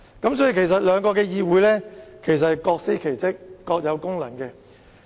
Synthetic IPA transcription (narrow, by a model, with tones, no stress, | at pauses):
kɐ˨˥msɔː˨˥ji˨˧kʰe˨˩js̬ɐ˨t̚lœː˨˧ŋkɔː˧kɛː˧jiː˧wuː˨˥jlɛː˥kʰe˨˩js̬ɐ˨thjkɔː˧k̚se˥jkʰe˨˩jt͡sɪ˥k̚ːɔː˧k̚jɐ˨˧wkʊ˥ŋlɐ˨˩ŋkɛː˧